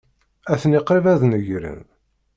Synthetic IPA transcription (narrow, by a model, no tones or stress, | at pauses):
æθəniqɾivæðnəʝɾə̰n